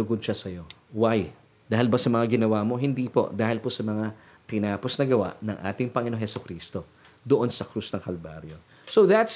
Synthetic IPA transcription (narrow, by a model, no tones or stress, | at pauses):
ʊɡʊd̪ʃasɐjo̞ | waj | d̪aːɦɪlbɐsɐmɐŋaɡɪnɐwamo̞ɦɪnd̪iːpo̞̰ʔd̪aːhɪlposɐmɐŋa | t̪ɪnaːpo̞snɐɡɐwa̰ʔnɐ̰ŋʔa̰ːt̪ɪŋpɐŋɪnoŋhɛsʊkɾiːst̪o̞ | d̪oʔo̞nsɐkɾusnɐŋkɐlba̰ɾjo̞ | soðɐt̪s